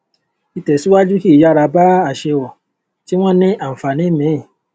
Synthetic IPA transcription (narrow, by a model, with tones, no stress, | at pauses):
i˧tɛ˨si˦wa˦d͡ʒu˦ki˦˨ja˦˧ɾa˧ba˦a˦˨ʃe˧wɔ˨ | ti˦w̃ɔ̃˦nĩ˦ʔa˨m̩˨fa˨nĩ˨˦mĩ˨˦˨